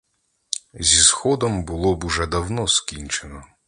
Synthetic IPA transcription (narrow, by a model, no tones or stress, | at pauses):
zʲisxɔd̪ɔmbʊlˠɔbʊʒɛd̪ɐwnɔskʲinʲt͡ʃenɔ